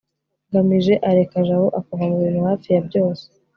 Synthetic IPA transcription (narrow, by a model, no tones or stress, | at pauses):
ɡamiʒe̞ʔaɾekaʒaβoʔakoɡamuβiːnhuhaːfijabɟo̞ːse̥